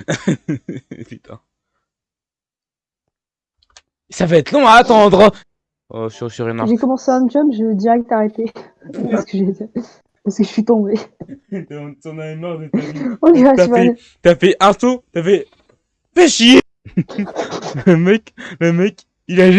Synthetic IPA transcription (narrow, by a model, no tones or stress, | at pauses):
pyt̪ʰɛ̰̃ | savaɛt̪lɔ̃aːt̪ɑ̃d̪ʁ | ɔ̰syʁsyʁimaʒekɔmɑ̃seɛ̃d͡ʒɔbʒəəd̪iʁɛk̚t̪aʁet̪e | paskəʒe | paʁsəkəʒəsɥit̪ɔ̃bẽ | t̪ɔ̃naɛmaʁd̪etõd̪iatvɛ | t̪yafɛʔɛ̃sot̪yavɛ | fɛʃije | ləmɛkləmɛk | ilaʒ